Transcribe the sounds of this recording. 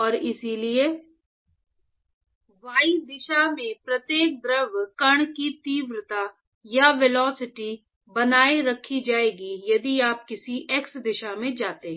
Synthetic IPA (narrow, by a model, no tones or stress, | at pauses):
ɔːɾɪsilie | ʋaːid̪ɪʃamẽpɾɐt̪jeːk̚d̪ɾəʋkɐɽ̃kit̪iːʋɾət̪a | jaʋelɔːsɪʈi | bɐnaːiɾɐkʰːid͡ʒaːeːɡijɐd̪iaːp̚kɪsiʔeksd̪ɪʃamẽd͡ʒaːt̪eɦɛ̃ː